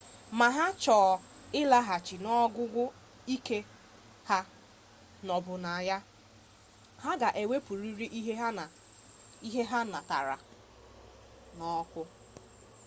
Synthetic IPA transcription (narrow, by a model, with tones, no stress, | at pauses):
ma˨ɦa˦t͡ʃɔː˨ | ɪ˦la˦ɦa˨t͡ʃi˨nɔ˦ɡʊ˦ɡʷʊ˦ | i˦ke˦ | ha˦ | nɔ˨bʊ˨na˨ja˦ | ɦa˦ɡa˨ʔe˨we˦pu˨ɾi˦ɾi˦ʔi˦ɦe˦ɦa˦n˨ | i˦ɦe˦ɦa˦na˨ta̰˨ɾa̰˨ | nɔ˦kʷʊ˦